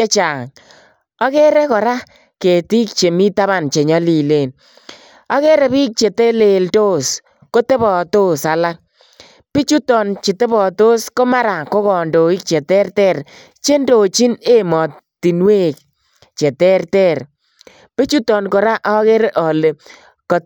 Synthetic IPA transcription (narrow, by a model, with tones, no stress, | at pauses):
e˦t͡ʃa˨ŋ | ɔ˦kɛ˦ɾɛ˦kɔ˨ɾa˦ | ke˨ti˦k̚t͡ʃe˨mi˦ta˦βa˨nt͡ʃe˨ɲɔ˦li˨le˨n | a˨˦ke˦ɾe˨bi˦k̚t͡ʃe˨te˦le˨lto˦s | ko˦te˦bɔ˨to˦sa˨la˦k̚ | pi˦t͡ʃu˦tɔ˨nt͡ʃi˨te˦bɔ˨to˦sko˦ma˦ɾa˨ko˦kɔ˨ndo˨i˦k̚t͡ʃe˨tɛ˦rtɛ˦˨r | t͡ʃe˦ndo˨t͡ʃi˦ne˦mɔ˨ti˨nwe˦k̚ | t͡ʃe˨tɛ˦rtɛ˦˨r | pi˦t͡ʃu˦tɔ˨nkɔ˨ɾa˦ʔɔ˦ke˦ɾe˦ʔɔ˨le˨ | kɔ˨